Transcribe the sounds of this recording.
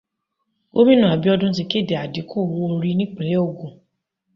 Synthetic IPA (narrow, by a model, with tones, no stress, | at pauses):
o̰˦bi˦nũ˦˨a˨bi˦ɔ˧dʊ̃ũ˦s̬i˧ke˦˨de˨a˨di˨˦ko˦˨wo˦˧o˧ɾi˦nĩ˦k͡pe˨le˨˦o˦˨ɡõ˨